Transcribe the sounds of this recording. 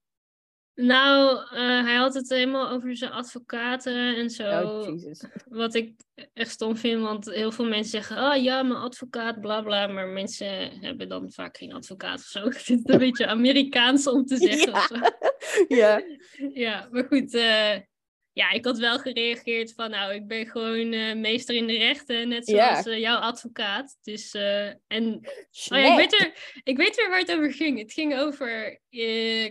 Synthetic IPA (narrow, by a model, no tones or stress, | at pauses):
nawəɦɛjɦɑtɦətɦeləmaːlˠowvəɹzənʔɑtfokaːtəɛnzo | ʋɑtɪk̚ | ɛχtstomfɪntʋɑntɦɪːlˠvɪːlˠmɛnsəzɛχəɔjaːmənʔɑtfokaːt̚blaːblaːmaːɹmɛnsəɦɛ̰bədɑ̰nva̰ːkχejnɑ̰tfoka̰ːtɔ̥fsowsɪttənbejt͡ʃəaːmeːɾikaːnsɔmtəzɛχəɔso | a | jamaːɹχutə | jaːɪkɦɑtʋɛlˠχərejɑχɪːɹtfɑnːowɪk̚bɛnχəʋownəmejstəɹɪndərɛχtənːɛtsoɔsjɔwɑtfokaːtd̥ɵsəɛnojaɪkʋejtʋɪɪkʋejtʋɪlʋaːɹətowvəɹχɪŋətxɪŋowvəɹ